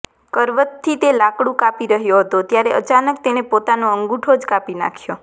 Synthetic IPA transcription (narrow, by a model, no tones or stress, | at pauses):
kəɾʋət̪ʰːit̪elakɽũkapiɾəɦjoɦət̪ot̪jaɾeʔə̰t͡ʃanəkt̪enepot̪anoəŋɡuʈʰod͡ʒkapina̰kʰjo